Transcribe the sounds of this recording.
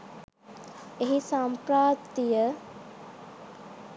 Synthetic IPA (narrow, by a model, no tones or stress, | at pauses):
eɦisampɾaːpt̪ːijə